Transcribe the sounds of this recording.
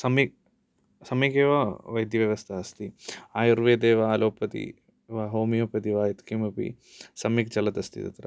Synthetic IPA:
sɐmik̚ | sɐmikeːʋɐʋɐjd̪ʱjɐʋjɐʋɐst̪ʰɐɐst̪iaːjuɾʋeːd̪eːʋaːloːpɐt̪ḭ | ʋaːɦoːmijoːpɐt̪iʋaːjit̪kimɐpḭ | sɐmik̚t͡ʃɐlɐt̪ɐst̪ʰḭt̪ɐ̰t̪ɾɐ̰

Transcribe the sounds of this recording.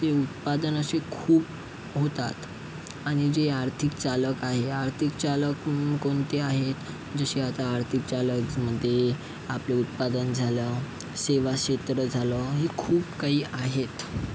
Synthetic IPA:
t̪eut̪̚pad̪ənəsekʰuːp | ɦot̪at̪ | aɽ̃id͡zeaɾt̪ʰik̚t͡saləkaɦeaɾt̪ʰikt͡ɕaləkkoɳt̪eaɦet̪ | d͡zəɕeat̪aːɾt̪ʰik̚t͡ɕaləkməd̪ʱːje | apleut̪̚pad̪ənd͡zʱalə | seʋaɕet̪ɾəd͡zʱaləɦekʰuːpkaɦiːaɦet̪

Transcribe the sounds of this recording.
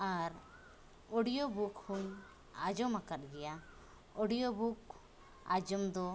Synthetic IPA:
aɾ | ɔɽijobukhuŋ | ad͡ʒɔmakat̪̚ɡɛja | ɔɽijɔbuk̚ | a̰d͡ʒɔmd̪ɔ

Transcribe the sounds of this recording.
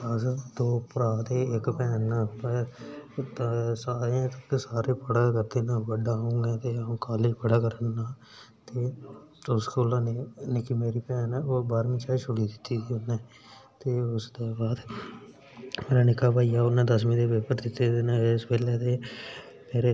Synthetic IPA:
aːsəd̪oːpɾaːt̪eːɪkpɛːnːapəɾ | t̪saːɾãt̪əkːesaːɾeːpəɽaːkəɾd̪eːnaːbəɖaːʊ̃ŋɡẽːt̪ẽkaːlɪd͡ʒpəɽaːkəɾənːaː | t̪eː | ʊskːʊlaːnenekiːmeːɾiːpɛːnoːbaːɾmĩːt͡ʃaːit͡ʃʰʊɽiːd̪ɪt̪ːiːt̪ʰiːʊnːeː | t̪eːʊsd̪eːbaːd̪ | meːɾaːnɪkːaːbʱaːijaːʊnẽːd̪əs̬mĩd̪eːʋeːpəɾd̪ɪt̪ːeːeːnaespɛːleːt̪eː | meːɾe

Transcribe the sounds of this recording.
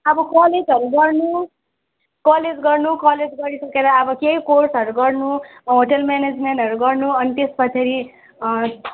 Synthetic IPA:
ʌbʌkɔled͡zʌɾuɡʌrnu | kʌled͡zɡʌrnukʌled͡zɡʌɾisʌkeɾʌːbʌkejkorsʌɾuɡʌrnuɦoʈʌlmaned͡zmeɳʈʌɾuɡʌrnuʌnit̪espʌt͡sʰeɾi

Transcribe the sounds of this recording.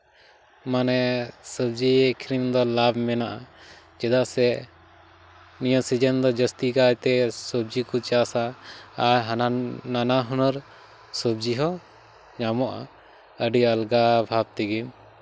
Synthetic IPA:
manɛsəb̚d͡ʒiekʰɾimd̪ɔlabmɛnaʔa | d͡ʒɛd̪asɛ | nijəsid͡ʒənd̪ɔd͡ʒəst̪ikajt̪ɛsəb̚d͡ʒikut͡ʃasaaɾɦanananaɦɔnəɾ | səb̚d͡ʒiɦɔ | ɲamɔʔa̰ | əɖiəlɡabʱab̚t̪iɡim

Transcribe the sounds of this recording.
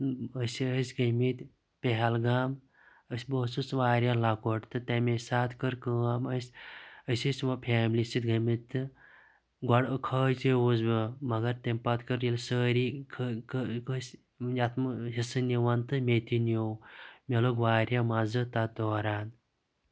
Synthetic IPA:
əsʲiəsʲɡəmit̪ | peɦɐlɡaːm | əsʲboːsɨsʋaːɾʲjalakoʈt̪ɨt̪emesaːt̪ʰkəɾkəːaməsʲəsʲəsʲmɐpʰaːmlisit̪̚ɡɐmit̪ːɨ | ɡɔɽkʰəːjt͡sewuzbimɐɡɐɾt̪empɐt̪kəɾjilsəːɾikʰkkəs | jat̪ʰmɦisɨniʋɐnt̪ɨmet̪injowmʲeloɡʋaːɾjamazɨt̪ad̪oːɾaːn

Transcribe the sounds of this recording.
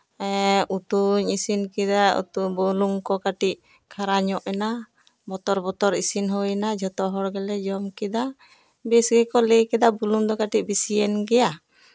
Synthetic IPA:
ʔut̪uɲisinkid̪aṵt̪ubuluŋkɔkaʈiʔ̚ | kʰaɾaɲɔʔɛna | bɔt̪ɔɾbɔt̪ɔɾisinɦɔɛnad͡ʒʱɔt̪ɔɦɔɾɡɛlɛd͡ʒɔmkɛd̪a | bɛsɡɛkɔlejkɛd̪abuluŋd̪ɔkaʈiʔ̚bisijɛnɡɛja

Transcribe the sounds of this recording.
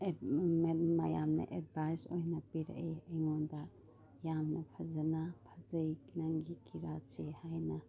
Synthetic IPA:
memajamnɐ̰ʔed̚bʱajsojnapiɾa̰ʔeɐjŋɔnda | jamnɐpʰɐzanapʰazɐjknaŋɡikiɾat͡ʃehajna

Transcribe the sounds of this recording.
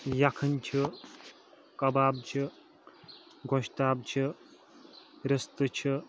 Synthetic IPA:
jakʰɐnʲt͡ʃʰi | kɐbaːb̚t͡ʃʰi | ɡoʃt̪aːb̚t͡ʃʰi | ɾɐst̪ɨt͡ʃʰi

